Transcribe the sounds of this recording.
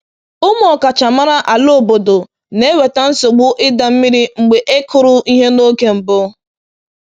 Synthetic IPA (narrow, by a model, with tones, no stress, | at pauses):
ʊ˦m˦ɔ˨ka˨t͡ʃa˨ma˦ɾa˦ʔa˨lo˦˨bo˨do˨ | ne˦we˨ta˦n̩˦so˨ɡ͡bʊ˦ʔɪ˦da˨m̩˦mi˦ɾi˦ŋ͡m̩˨ɡ͡be˨ʔe˦kʰʊ˦ɾʊ˦i˦ɦe˦no˦ke˦m̩˨bʊ˦